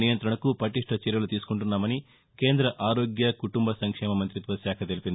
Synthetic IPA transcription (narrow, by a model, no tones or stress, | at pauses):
nijɐnt̪ɾɐɳɐkupɐʈiʂʈʰɐt͡ʃiɾjɐlut̪iːsu̥kuɳʈunːaːmɐni | ke̞ːnd̪ɾɐʔaːɾoːɡjɐkuʈumbɐsɐŋkʂɛːmɐmɐnt̪ɾit̪ʋɐsjaːkʰɐt̪elipind̪i